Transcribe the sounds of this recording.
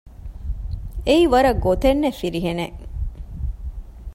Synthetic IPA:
eiʋɐɾɐɡot̪enːefiɾiɦeneʔ

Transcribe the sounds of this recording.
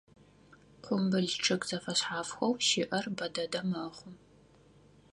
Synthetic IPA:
qʷʊmbɨɮʈ͡ʂʰɨkʼz̥ɐfɐɕħaːfxʷɐwʃɪʔɐrbɐdɐdɐmɐχʷʊm

